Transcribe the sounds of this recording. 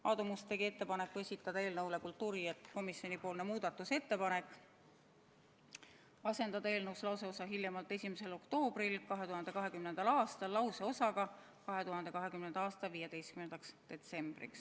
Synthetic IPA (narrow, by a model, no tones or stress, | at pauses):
ɑd̪̥umust̪e̞ɡiet̪ːe̞pɑnekːue̞sʲit̪ːˑɑd̪ɑe̞ːlnɤwle̞kult̪uːɾiet̪ko̞misjo̞nipo̞ːlnemuːd̪̥ɑt̪ːˑuse̞t̪ːe̞pɑne̞kːˑ | ɑse̞nd̪̥ɑd̪ɑe̞ːlnɤwslɑwse̞o̞sɑɦiljɑmɑlt̪ːˑe̞sʲimese̞lo̞kt̪o̞ːb̥ɾilkɑɦe̞t̪uɦɑnd̪e̞kɑɦe̞kymnend̪ɑlɑːst̪ɑlːɑwse̞o̞sɑɡɑ | kɑɦe̞t̪uɦɑnd̪e̞kɑɦe̞kymnend̪̥ɑɑːst̪ɑviːjed̪e̞jst̪̚kymnend̪̥ɑksd̪̥e̞t̪se̞mb̥rḭks